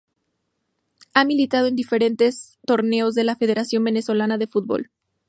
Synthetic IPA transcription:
amilit̪að̞oe̞nd̪ife̞ɾe̞nt̪e̞st̪o̞ɾne̞o̞zðe̞lafe̞ð̞e̞ɾasjo̞mbe̞ne̞so̞lanaðe̞fut̪̚bo̞̰l

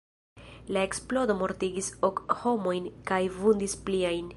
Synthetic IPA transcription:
lae̞ksplo̞do̞mo̞ɾtiɡiso̞kho̞mo̞jnkajvundispliajn

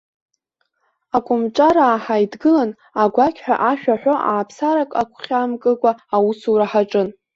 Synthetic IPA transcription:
akʷʼʊmʈ͡ʂʼaɾaːħajdɡɨlan | aɡʷakʲʰħᶣaʔaʃᶣaħʷᶣoʔaːpʰsaɾakʼakʷʰχʲamkʼɨkʷʼaːwusuɾaħaʈ͡ʂʼɨn

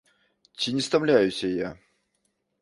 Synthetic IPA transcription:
t͡ɕʲɪnʲɪst̪ɐmlʲæjʊsʲəja̰

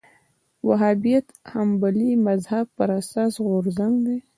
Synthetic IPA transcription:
waɦabijat̪hambalimazhab̚pəɾasɑsɣʊɾzaŋɡd̪e

